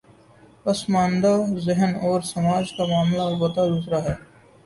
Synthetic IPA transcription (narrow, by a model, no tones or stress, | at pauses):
pɐsmãːnd̪azɪɦənɔːɾsɐmaːd͡ʒkamaːmlaɔlbət̪ad̪uːsɾaɦɛː